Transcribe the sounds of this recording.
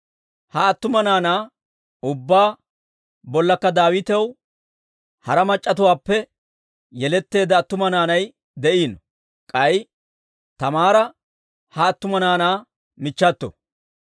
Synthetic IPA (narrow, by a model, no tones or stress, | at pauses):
hɐːt̪ːʊmɐnaːnaː | ʊbːaː | bɔlːɐkːɐd̪aːwɪt̪ɛw | hɐɾɐmɐt͡ʃʼːɐt̪ʊwaːpːɛ | jɛlɛt̪ːe̞ːd̪ɐːt̪ːʊmɐnaːnɐj | d̪ɛʔiːnɔ | kʼɐj | t̪ɐmaːɾɐ | hɐːt̪ːʊmɐnaːnaː | mɪt͡ʃːɐt̪ːɔ̰